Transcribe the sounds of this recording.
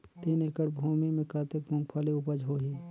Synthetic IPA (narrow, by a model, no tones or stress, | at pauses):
t̪eːnekəɽbʱuːmimẽkaːt̪ekmʊ̃ŋɡpʰaːliʊpəd͡ʒɦoɦiː